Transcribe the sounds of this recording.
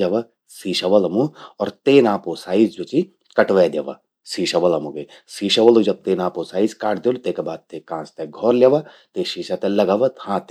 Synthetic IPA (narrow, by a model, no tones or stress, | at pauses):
aʋɐ | siːʃɐʋɐlɐmuɔːɾt̪eːnãːposaːizd͡ʒot͡ʃi | kɐʈʋɛd̪eːʋɐ̰ | siːʃɐʋɐlɐmuke | siːʃɐʋɐlud͡ʒɐb̚t̪eːnãːposaːizkaːʈʰd̪elt̪eːkebaːd̪̚t̪ekãːst̪eɡʱɔːɾlʲjaʋa | t̪eʃiːʃat̪elɐɡaːʋɐt̪hãːt̪